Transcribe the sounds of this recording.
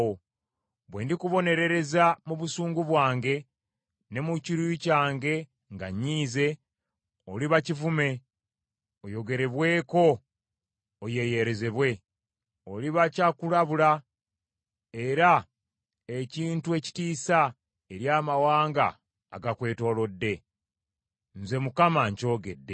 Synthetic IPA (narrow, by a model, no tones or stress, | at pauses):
o | βwḛːndikuβo̞ne̞ɾe̞ɾe̞zamuβusuːŋɡuβwaːŋɡe̞ | ne̞muciɾujucaːŋɡe̞ | ŋɡaɲːiːze̞ | oliβacivume̞ | ojo̞ɡe̞ɾe̞βwe̞ːko̞ | je̞je̞ɾe̞ze̞βwe̞ | o̞liβacakulaβula | e̞ɾa | eciːntue̞ci̥tiːsa | e̞ɾjaːmawaːŋɡa̰ː | ɡakwe̞ːto̞ːlo̞dːe̞ | n̩ze̞mukamaɲco̞ːɡe̞dːe̞